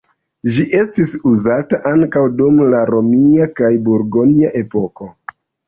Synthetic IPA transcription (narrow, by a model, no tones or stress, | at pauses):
ʒiʔe̞stisuzataʔaŋkawdumlaɾo̞miakajbuɾɡoniaʔe̞po̞ko̞